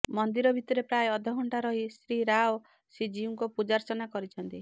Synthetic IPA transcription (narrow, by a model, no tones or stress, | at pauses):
mɔnd̪iɾɔbʱit̪ɔɾepɾajɔd̪ʱɔɦɔɳʈaɾɔɦisɾiɾao | sid͡ʒiuŋkɔpud͡ʒaɾsɔnakɔɾit͡ʃʰɔnt̪i